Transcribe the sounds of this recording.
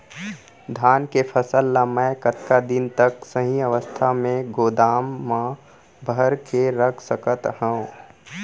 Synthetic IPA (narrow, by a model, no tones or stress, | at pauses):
d̪ʱaːnkepʰəsəlːamɛ̃ːkət̪kad̪ɪnt̪əksəɦĩəʋəst̪ʰamẽɡoːd̪aːmːã | bʱəɾkeɾəkʰsəkət̪hə̃